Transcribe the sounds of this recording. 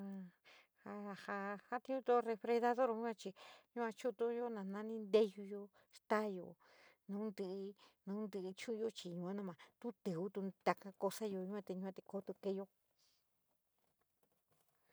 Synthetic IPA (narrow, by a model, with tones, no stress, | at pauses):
ha˧ha˧ha˦t̪ĩ˧ɲũ˧t̪o˦re˧fɾe˧d̪a˧ðo˦ɾo˧ɲũ˦ã˧t͡ʃi˧ɲũ˦ã˧t͡ʃu˦t̪o˦jo˦nã˨˧˨nã˧nĩ˦nd̪e˦ju˧jo˧ | ʂt̪a˦jo̰˨ | nã˧ũ˦nd̪ɨ˧nã˧ũ˦nd̪ɨ˧t͡ʃũ˦˧jo˧t͡ʃi˧ɲũ˧ã˦nã˦˧mã˨t̪u˦t̪ɨ˨u˦t̪u˧t̪a˧ka˧ko˧sa˦jo˧ɲũ˧˦ã˧t̪e˧ɲũ˧ã˧t̪e˧ko˧˦t̪u˧ke˧˦jo˧˦